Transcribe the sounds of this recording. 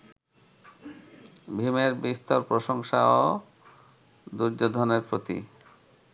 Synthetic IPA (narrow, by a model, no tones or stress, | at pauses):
bʱimeɾbist̪oɾpɾoʃoŋʃao | d̪uɾd͡ʑod̪ʱoneɾpɾot̪ḭ